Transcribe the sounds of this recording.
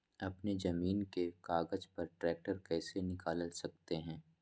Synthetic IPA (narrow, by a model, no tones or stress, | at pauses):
ɐpned͡ʒɐmiːnkekaːɡəd͡ʒpɐɾʈɾɛːk̚ʈəɾkɛːsenɪkaːllsɐk̚t̪eɦɛ̃ː